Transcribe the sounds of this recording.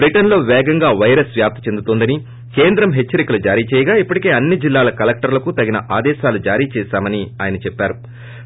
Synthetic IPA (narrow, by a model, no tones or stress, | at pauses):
bɾiʈɐnlo̞ːʋɛːɡɐŋɡaːʋɐjɾɐsʋjaːp̚t̪ʰɐ̥t͡ʃe̞nd̪ut̪ond̪ɐni | ke̞ːnd̪ɾɐmɦe̞t͡ʃːɐɾikɐlud͡ʒaːɾiːt͡ʃɛːjɐɡaːipːɐʈike̞ːɐnːid͡ʒilːaːlɐkɐlek̚ʈɐɾlɐkut̪ɐɡinɐʔaːd̪ɛːʃaːlud͡ʒaːɾiːt͡ʃɛːsaːmɐniaːjɐnɐt͡ʃɛpːaːɾu